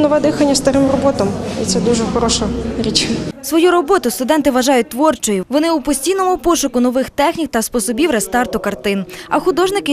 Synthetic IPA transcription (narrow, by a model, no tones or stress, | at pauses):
nɔʋɛd̪ɪxɐnʲːɐst̪ɐɾɪmrɔbɔt̪ɔmḭt̪sɛd̪uʒɛxɔɾɔʃɐɾʲit͡ʃsʋɔjuɾɔbɔt̪ʊst̪ʊd̪ɛnt̪ɪʋɐʒɑjʊt̚ʲt̪ʋɔrt͡ʃɔjʊʋɔnɪupɔsʲtʲijnɔmʊpɔʃʊkʊnɔʋɪxt̪ɛxnʲik̚t̪ɐspɔsɔbʲiwɾɛst̪ɑrt̪ʊkɐrt̪ɪnɐ̰xʊd̪ɔʒnɪkɪ